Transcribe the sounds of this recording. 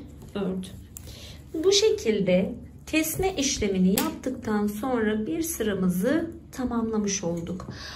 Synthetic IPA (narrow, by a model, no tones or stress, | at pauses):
øt̪ | buʃe̞cʰilʲd̪ɛ | t̪ʰɛsmɛʔiʃlʲe̞minijap̚t̪ʰɯkt̪ʰanso̞nɾabiɾsɯɾamɯzɯt̪ʰamamlˠamɯʃo̞lˠd̪uk